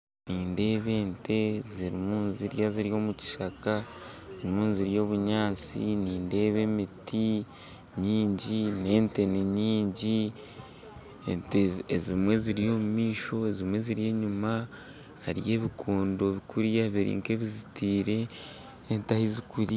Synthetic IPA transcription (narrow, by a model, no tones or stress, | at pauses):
niːnde̞ːβe̞ːnte̞ziɾimuːnziɾjaziɾijo̞muci̥ʃakaziɾimuːnziɾijo̞ːβuɲaːt͡sḭniːnde̞ːβe̞miti | ɲiːɲɟine̞ːnte̞niɲiːɲɟi | enteezimwe̞ziɾijo̞ːmumiːʃo̞ezimwe̞ziɾije̞ːɲuma | aɾḭje̞ːβikʰuːndo̞βikuɾjaβiɾḭːŋke̞βizitiːɾe̞ː | ntahizikuɾa